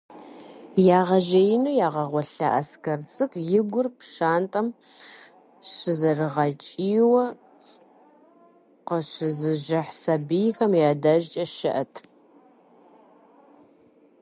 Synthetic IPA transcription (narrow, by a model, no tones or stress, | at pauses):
jaːʁɐʒɐjɪnujaːʁɐʁʷɔɬɐʔɐ̰skɐrt͡sʼɨkʷʼjɪɡʷʊrpʃaːntʼɐm | ɕɪzɐrɨʁɐt͡ʃʼiːwɐ | qəɕɪzɨʒɐħsɐbijxɐmjaːdɐʒt͡ʃʼɐʃɪʔɐtʰ